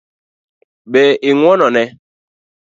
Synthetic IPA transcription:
ɓɛʔiŋʷwɔnɔnɛ

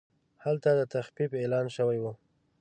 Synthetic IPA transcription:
halt̪ad̪ət̪axfibelɑnʃəwajwu

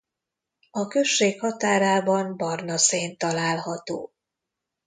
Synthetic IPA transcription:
ɒkø̞ʃːeːkhɒt̪aːɾaːbɒmbɒrnɒseːnt̪ɒlaːlhɒt̪oː

